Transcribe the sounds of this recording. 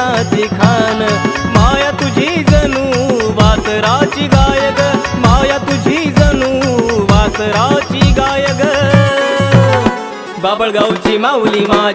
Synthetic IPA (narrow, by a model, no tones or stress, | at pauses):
at̪ikʰaːnmaːjat̪ʊd͡ʒʱizɐnuʋaːsɾaːt͡ʃiɡaːjəɡmaːjat̪ʊd͡ʒʱizɐnuʋaːsɾaːt͡ʃiɡaːjəɡ | baːbəɭɡaut͡ʃimãʊlimaː